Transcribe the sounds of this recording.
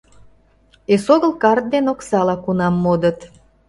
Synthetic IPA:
esoɣəlkɑrt̪̚d̪enoksɑlɑkunɑmːod̪ət̪

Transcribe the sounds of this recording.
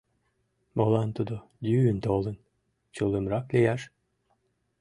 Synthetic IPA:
molˠɑnt̪ud̪o | d̪yynt̪olˠə̆n | t͡ɕulˠəmɾɑklʲejæʃ

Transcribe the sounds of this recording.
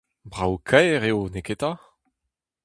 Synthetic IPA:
bʁawkʰɛjʁeoneket̪a

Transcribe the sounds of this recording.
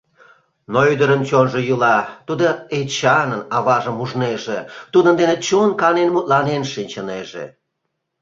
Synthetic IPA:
noyd̪əɾənt͡ɕonʒojulɑt̪ud̪oet͡ɕɑnənɑβɑʒəmuʒneʒet̪ud̪ənd̪enet͡ɕonkɑnenmut̪̚lɑnenʃinʲt͡ɕəneʒḛ

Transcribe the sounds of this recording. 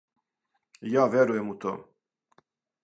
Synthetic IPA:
javɛɾujɛmut̪ʰɔ̰m

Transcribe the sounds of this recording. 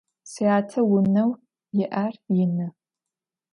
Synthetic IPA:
siaːtʰɐwʊnɐw | jɪʔarjɪnɨ

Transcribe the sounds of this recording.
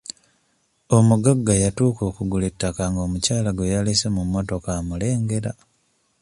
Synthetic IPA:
o̞muɡaɡːajatuːko̞ːkuɡuletːakaŋɡo̞ːmucaːlaɡwejalisemumːo̞to̞kamule̞ːŋɡe̞ɾa

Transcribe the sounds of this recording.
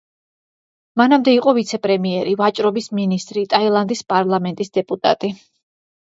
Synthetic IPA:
manamd̪ɛiqʼɔvit̪sʰɛpʼɾɛmiɛɾivat͡ʃʼɾɔbisminist̪ʼɾit̪ʼailˠand̪ispʼaɾlˠamɛnt̪ʼisd̪ɛpʼut̪ʼa̰t̪ʼi

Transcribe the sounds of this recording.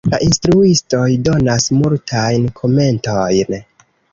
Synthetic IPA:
la̰ʔinstɾuisto̞jdo̞nasmultʰajnkʰo̞me̞ntojn

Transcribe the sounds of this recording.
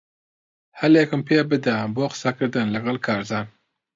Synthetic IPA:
hɐljekɨmpʰeːbɨd̪aboːqsɐkɨɾd̪ɨnlɐɡɐlkʰɑːɾzɑːn

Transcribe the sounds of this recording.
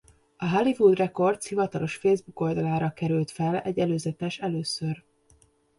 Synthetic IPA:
ɒɦalivud̪rɛko̞rt̪shivɒt̪ɒlo̞ʃfeːzbuko̞ld̪ɒlaːɾɒkɛɾylt̪fɛlɛ̰ɟːɛløːzɛt̪ɛʃɛløːsør

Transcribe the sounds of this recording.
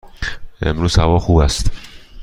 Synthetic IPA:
e̞̰mɾuːz̥hævɒːxuːbæst̪

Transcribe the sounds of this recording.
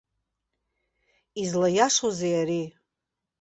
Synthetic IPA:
izlajaʂozejaɾi

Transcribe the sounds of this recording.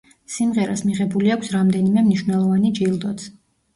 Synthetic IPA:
simʁɛɾa̰smiʁɛbuliakʷʰsɾamd̪ɛnimɛmniʃwnɛlˠɔvanid͡ʒilˠd̪ɔt̪sʰ

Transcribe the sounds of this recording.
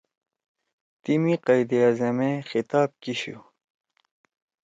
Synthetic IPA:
t̪imiqɑjd̪iazɐmexit̪aːb̚kiɕṵ

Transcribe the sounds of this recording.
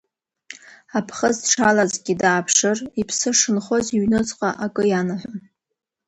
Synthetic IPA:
apʰχəzdʈ͡ʂʰalazɡʲidaːpʰʂɨripʰsɨʂɨnχo̞ziɥnɨt͡sʼqʼaʔakʼɨjanaħʷʊn

